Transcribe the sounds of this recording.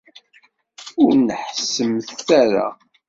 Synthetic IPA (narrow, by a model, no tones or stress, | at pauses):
ʊɾnəħsəmθθæɾa̰